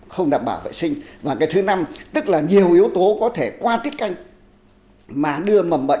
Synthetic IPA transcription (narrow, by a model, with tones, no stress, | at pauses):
xə˧wŋ͡mɗaː˨˩m̚ɓaː˧˩wvḛ˧˨jsï˧ŋ̟vaː˨˩kaː˨˦jt̪ʰɨ˨˦na˧mt̪ɨ˦˥k̚laː˨˩ɲi˨˩əwʔəwt̪o˨˦kɔ˨˦t̪ʰe˧˩kwaː˧t̪i˦˥t̚ka˧jŋ̟ | maː˨˩ɗɨ˧əmə˨˩mɓə̰˧˨